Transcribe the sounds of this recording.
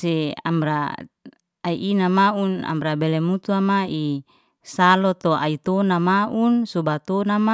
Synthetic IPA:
sɛa̰mbɾa | aiʔinamauna̰mbɾabɛlɛmut̪uamai | salɔt̪oʔa̰it̪onamaʔunsobat̪onama

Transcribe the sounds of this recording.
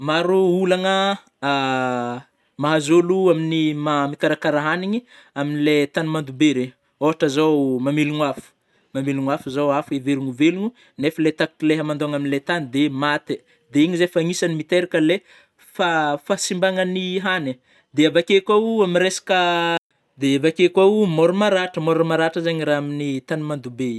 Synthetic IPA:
maɾuulaŋə | maɦazoluaminimamikaɾakaɾaɦaniɲi | aminilet̪animand̪ubeɾe | oɦaʈ͡ʂəzawmamiluɲafu̥ | mamiluɲafuzawafeveɾuɲuveluɲu | nefəlet̪akkileɦamand̪oaŋaminilet̪anid̪emat̪e | d̪eiɲizefaŋisanimit̪eɾikəle | fafasimbaŋəniɦane | d̪eavakekʷauamiɾesḁkə | d̪eavakekwaumoɾumaɾaʈ͡ʂəmoɾmaɾaʈ͡ʂəzaɲiɾaɦaminit̪animand̪ube

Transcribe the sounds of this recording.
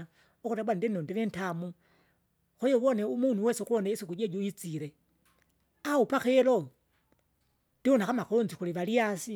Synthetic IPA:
uxutebwanindinondilentamu | xojoβoneumunuwesxuoneisixud͡ʒed͡ʒojit͡siɾe | aupaxelo | ndionaxamaxolont͡sixuliβaliasi

